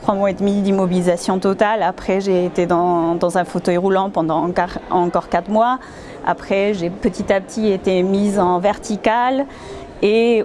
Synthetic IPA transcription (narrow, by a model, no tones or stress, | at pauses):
t̪χwamwaɛd̪mid̪imɔbilizasjɔ̃t̪ɔt̪alapχɛʒeːt̪ed̪ɑ̃d̪ɑ̃zɛ̃fot̪œjʁulɑ̃pɑ̃d̪ɑ̃kaɑ̃kɔʁkat̪χmwa | a̰pχɛʒepət̪it̪apət̪ʰiet̪emizɑ̃vɛʁt̪ikal | e